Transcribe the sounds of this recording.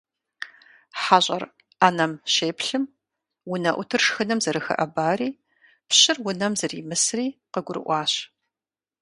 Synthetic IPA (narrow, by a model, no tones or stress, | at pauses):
ħaːɕʷʼɐ̰r | aːnɐmɕeːpɬɨm | wʊnɐʔʷʊtʰɨrʂxɨnɐmzɐɾɨxɐ̰ʔɐbaːriː | pɕɪrwʊnɐmzɐriːmɨsriːqəɡʷʊɾɨ̰ʔʷɑːɕ